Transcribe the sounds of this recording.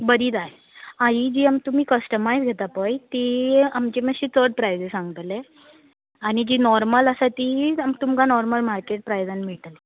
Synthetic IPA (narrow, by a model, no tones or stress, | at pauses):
bəɾiːt̪aje | aɦid͡ʑiːamt̪um̤iːkəsʈəmajzɡʱet̪apəjt̪iamt͡ɕeməɕit̪ʰəɾɖpɾajd͡zesãŋɡət̪le | aɽ̃id͡ʑiːnɔɾmələsat̪iamt̪umkanɔɾməlmaɾkeʈ̚pɾajd͡zanmiɭʈ̪əle